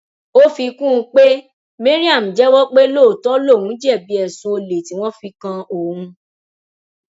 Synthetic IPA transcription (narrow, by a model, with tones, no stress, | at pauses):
o˦fi˧kũ˦˧k͡pe˦ | me˦ɾi˦a˦˨m̩̃˨d͡ʒɛ˨˦wɔ˦k͡pe˦lo˦˨tɔ˦lo˦˨wũ˨˦d͡ʒɛ˦˨bi˨˦ɛ˨sũ˧˦o˧le˨ti˨˦w̃ɔ̃˦fi˧kã˧o˨hũ˧